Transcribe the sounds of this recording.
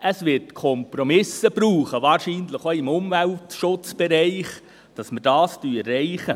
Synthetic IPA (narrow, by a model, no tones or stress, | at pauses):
əsʋɪtkʰɔmpɾomɪsəb̥ɾuːχəʋɑːɾʃiːnləχoɪmʊmvæltʃʊt͡sb̥ɛɾɛɪχ | d̥ɑsməd̥ɑːstyːɛɪχə